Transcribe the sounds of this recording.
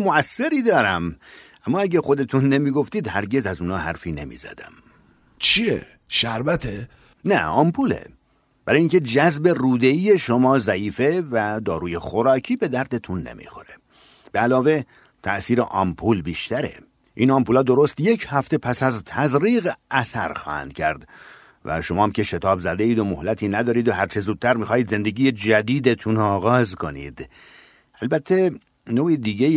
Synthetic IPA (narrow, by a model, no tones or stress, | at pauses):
moæsːeɾiːd̪ɒːɾæmʔæmːɒːæɟæxo̞d̪et̪ʰunːemiːɡo̞ft̪iːd̪hæɾɟe̞zæzuːnɒːɦæɾfiːne̞̰mḭːzæ̰d̪æ̰m | t͡ʃʰiḛ | ʃæɾbæt̪ʰe | næ̰ɒːmpʰuːlḛ | b̥æɾɑːjiŋcʰe̞d͡ʒæzbe̞ruːd̪eiːje̞ʃomɒːzæiːfevæd̪ɒːɾuːjexoɾɒːcʰiːbe̞d̪æɾd̪et̪ʰunːe̞̰mʔḭːxo̞ɾe̞ | b̥eælɒːve̞ | t̪ʰæʔsiːɾeʔɒmpʰuːlbiːʃt̪æɾe̞̰ | ʔiːnɒmpuːlɒːd̪o̞ɾo̞st̪je̞cʰhæft̪e̞pʰæsæzt̪ʰæzɾiːɣʔæsæɾxɒ̰ːhæ̰nd̪̥cʰæɾd̪ | væ̰ʃo̞mɒːmcʰe̞ʃe̞t̪ʰɒːbzæd̪e̞iːd̪omohlæt̪ʰiːnæd̪ɒːɾiːd̪oɦæɾt͡ʃʰe̞zuːd̪̚t̪ʰæɾmixɒːhiːd̪ze̞nd̪e̞ɡiːje̞d͡ʒæd̪iːd̪et̪ʰunɒːɣɒːzkʰo̞nḭːd̪̥ | ælbæt̪ʰːe̞ | noːid̪iːɟe